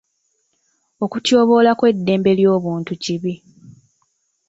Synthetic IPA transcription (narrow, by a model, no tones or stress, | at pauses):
o̞kutjo̞ːβo̞ːlakwe̞dːe̞ːmbe̞ljo̞ːβuːntuciβi